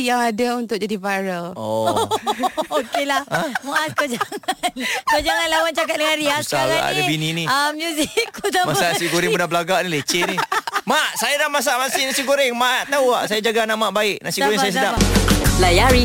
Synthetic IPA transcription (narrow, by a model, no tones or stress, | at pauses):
jaŋadaunt̪ʊk̚d͡ʒadivaɾəlɔ | okelahmaʔakad͡ʒaŋankod͡ʒaŋanlawant͡ʃakat̪̚dəŋanɾiasaaaa̰dabininiamjuzikːudamasanasiɡoɾɪŋudahbəlaɡaʔnilet͡ʃennimaʔsajadahmas̬aʔmasɪhnasiɡoɾɪŋmaʔʔt̪auaʔsajad͡ʒaɡanamaʔbaɪʔnasioɾɛŋssajas̬ədalajaɾi